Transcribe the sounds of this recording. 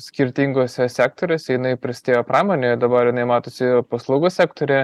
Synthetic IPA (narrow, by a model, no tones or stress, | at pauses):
sʲkʲɪɾʲt̪ʲiŋɡoːsʲɛsʲæːk̚t̪oːɾʲoːsʲɛjɪnɐɪpʲɾʲɪsʲt̪ʲeːjoːpɾɑːmoːnʲeːd̪ɐbɐɾjɪnɐɪmɑːt̪oːsʲɪpɐslˠɐʊɡoːsʲæːkt̪oːɾʲɛ